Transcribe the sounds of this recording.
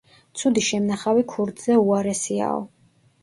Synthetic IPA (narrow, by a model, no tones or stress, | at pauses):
t̪sʰud̪iʃɛmnaχavikʰuɾd̪zɛuaɾɛsia̰ɔ̰